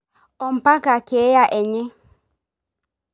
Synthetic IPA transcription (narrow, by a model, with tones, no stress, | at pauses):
ɔ˨m̩˨pa˦ka˨ke˨˦ja˨ʔɛ˨ɲɪ˦